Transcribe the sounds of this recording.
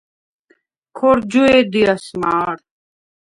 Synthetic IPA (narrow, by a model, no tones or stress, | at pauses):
kʰoɾd͡ʑueːd̪iɐsmaːɾ